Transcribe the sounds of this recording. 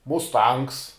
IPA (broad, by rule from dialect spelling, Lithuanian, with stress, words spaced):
mʊsˈtɐŋks